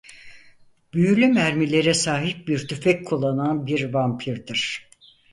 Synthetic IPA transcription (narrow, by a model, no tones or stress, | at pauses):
b̥yjylʲymæɾmilʲe̞ɾɛsaːɦip̚biɾt̪ʰyfɛc̚kʰulˠːananbiɾvampʰiɾd̪ɯɾ̥